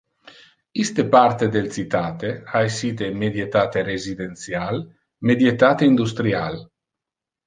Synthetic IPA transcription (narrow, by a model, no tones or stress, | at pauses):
ist̪epart̪ed̪elt͡s̪it̪aːt̪eaesiːt̪emed̪jet̪aːt̪eɾezid̪ent̪sjal | med̪jet̪aːt̪eind̪ust̪ɾial